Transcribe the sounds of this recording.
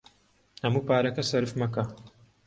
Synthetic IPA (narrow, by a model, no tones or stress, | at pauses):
hɐmuːpaːɾɐkɐsɐɾɨfmɐkɐ